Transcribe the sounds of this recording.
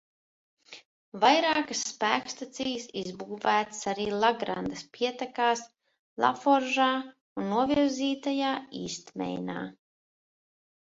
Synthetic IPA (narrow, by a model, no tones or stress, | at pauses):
vajɾaːkasːpæːkst̪at̪siːsizbuːvæːt̪saɾiːlˠaɡɾa̰nd̪ɐspiɛt̪akaːs | lˠa̰fɔɾʒaː | unːuɔviɾziːt̪ajaːiːst̪mɛ̰jna̰ː